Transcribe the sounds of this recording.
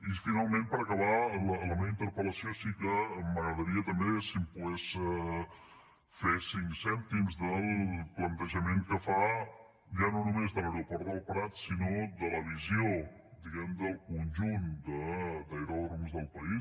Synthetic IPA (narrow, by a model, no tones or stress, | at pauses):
ifinalˠmẽmpəɾəkəβalələmeβəint̪əɾpələsiosikəmːəɣɾəðəɾiət̪əmbesimpuɣɛs | fesiŋsɛnt̪imzðəlˠplənt̪əʒəmeŋkəfa | ʒanonumezðələwɾopɔɾt̪əlpɾat̪sinod̪ələβizio | d̪iɣɛmd̪əlˠkunʲʒund̪əd̪əjɾorumzðəlˠpəi